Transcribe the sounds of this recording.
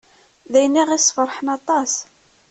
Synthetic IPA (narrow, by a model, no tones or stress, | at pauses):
ðæjənːiʁisˤːfəɾˤħənɑt̪ˤɑs